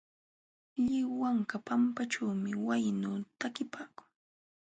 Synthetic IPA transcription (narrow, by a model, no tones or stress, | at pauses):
ʎɪwaŋkapampaʈ͡ʂawmɪwajnuːt̪akɪpaːkʊ̥ŋ